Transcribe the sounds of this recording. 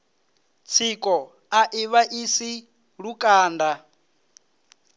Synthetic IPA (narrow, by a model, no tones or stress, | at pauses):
t͡sʰikʼɔ | aʔiβaʔisi | ɺukʼaːnda